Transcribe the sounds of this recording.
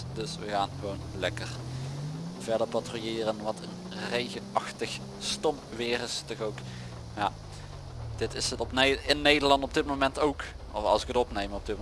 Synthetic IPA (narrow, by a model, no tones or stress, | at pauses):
d̥ɵsʋəɣaːnɣəʋownlɛ̰kər | v̥ɛɹdəɹpatrujɪːrənʋɑtʰən | rejɣəɑxtəx | stɔm | ʋɪːrɪstɔxowk | jaː | d̥ɪtɪsətɔpɪnːejdəɹlɑntɔbdɪtmowmɛntowk | ɔfɑ̰lˠsɪkətɔpnejmənɔb̚dɪt